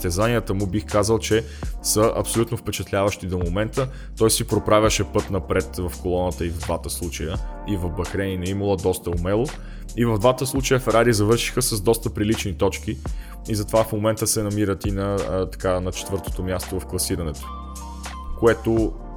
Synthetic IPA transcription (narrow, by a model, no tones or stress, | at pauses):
t̪ɛzaniət̪əmʊbixkazəlˠt͡ʃɛ | səʔɐ̰psolut̪nofpɛt͡ʃɛt̪lʲavəʃt̪id̪omomɛnt̪ə | t̪ɔjsipɾopɾavʲjəʃɛpɤt̪nɐpɾɛt̪vɐfkolˠɔnət̪əivd̪vat̪əslˠut͡ʃəjə | ivɐvbɐxɾɛninɐimulˠəd̪ɔst̪əʊmɛlˠo | ivɐvd̪vat̪əslˠut͡ʃəjəfɛɾaɾizɐvɤɾʃi̥xəsəzd̪ɔst̪əpɾilit͡ʃnit̪ɔt͡ʃki | izɐt̪ovafmomɛnt̪əsɛnɐmiɾət̪inɐt̪ɐ̥kanɐt͡ʃɛ̥t̪vɤɾt̪o̥t̪omʲjast̪ovɐfklˠɐsiɾɐnɛt̪o̥ | koɛt̪o